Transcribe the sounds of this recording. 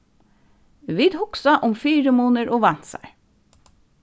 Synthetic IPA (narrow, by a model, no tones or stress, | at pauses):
ʋɪd̪hʊksɑʔʊmfiːɹəmuːnəɹʔoːʋɑnt̪sæ̰ɪ